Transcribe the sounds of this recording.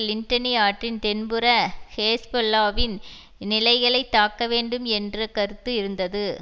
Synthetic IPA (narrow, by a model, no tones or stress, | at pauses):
lɪɳʈɐnijaːʈrɪnt̪ɛnbɯɾɐheːsbɔlːaːʋɪn | nɪlɐɪɣɐɭɐɪt̪ːaːkːɐʋeːɳɖɯmɛndrɐkɐɾɯt̪ːɯɪɾɯnd̪ɐðɯ